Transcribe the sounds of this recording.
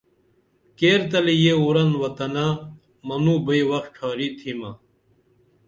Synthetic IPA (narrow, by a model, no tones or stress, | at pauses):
keːɾt̪ɐlijeuɾɐnwɐt̪ɐna | mɐnuːbɐiwɐxʈʰaːɾiːt̪ʰimɐː